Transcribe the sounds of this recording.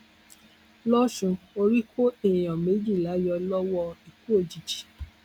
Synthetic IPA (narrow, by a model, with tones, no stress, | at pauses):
lɔ˦ʃũ˨˧o˧ɾi˦kʰo˦e˨j̃ɔ̃˨me˨˦d͡ʒi˦˨la˨˦jɔ˧lɔ˦wɔ˦i˨ku˦o˦˨d͡ʒi˨d͡ʒi̥˨